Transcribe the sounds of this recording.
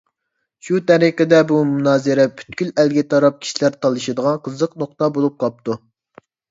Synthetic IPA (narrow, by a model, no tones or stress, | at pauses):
ʃut̪ʰæɾiqəd̪ɛbumunɑːzɨɾɛpʰy̥t̪kʲylælɡʲɛt̪ʰɑɾɑp̚kʲʰi̥ʃilæɾt̪ʰɑlˠɨʃɨd̪əʁɑnqʰəzəqnoqt̪ɑbolˠup̚qʰɑp̚t̪ʰu